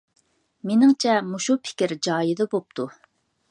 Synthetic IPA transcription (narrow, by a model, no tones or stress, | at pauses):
menɪŋt͡ʃʰɛmuʃupʰɪ̥kʲɪɾd͡ʒɑːjɪd̪ɑbop̚t̪ʰu